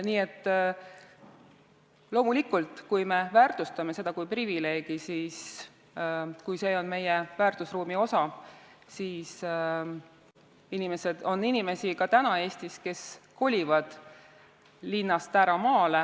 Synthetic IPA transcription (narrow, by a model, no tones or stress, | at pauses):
niːe̞t̪ːˑ | lo̞ːmulikult̪ˑkujme̞væːrt̪ust̪ɑme̞se̞d̪ɑkujprivile̞ːɡ̥isiːs | kujse̞ːo̞nme̞jevæːrt̪usruːmio̞sɑ | siːs | inime̞se̞d̪̥o̞nːinime̞sikɑt̪ænɑe̞ːsʲt̪iske̞sko̞lʲivɑd̪̥ | linːɑst̪æɾɑmɑːle